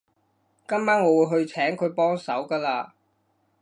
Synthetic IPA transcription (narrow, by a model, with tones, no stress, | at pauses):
kɐ˥mmaː˥ŋŋɔː˨˧wu˨˧jɦɵ˧ɥt͡sʰɛː˨˥ŋkʰɵ˨˧ɥpɔː˥ŋsɐ˨˥wkaː˧laː˧